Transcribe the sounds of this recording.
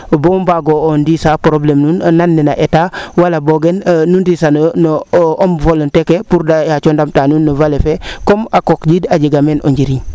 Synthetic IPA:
bombaɡoondisapɾoblemnuːnːanːina̰ʔetawalaboɡenːundisannomvoləntekepuɾdajat͡ʃondamtanuːnːəvalefekomakokɟidaɟiɡameno̰ɲɟiɾiɲ

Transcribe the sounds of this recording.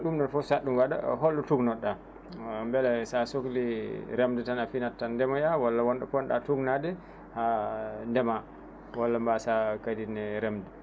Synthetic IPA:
ɗumɗɔnfɔsaɗːumwada̰ɦolːutuɡnɔɗa | mbɛlɛsasokliɾɛmdɛtanafinatːandɛmajawalːawɔnɗakɔnɗa̰tuɡnadɛ | handɛma | walːambasakadinːɛɾɛmdɛ

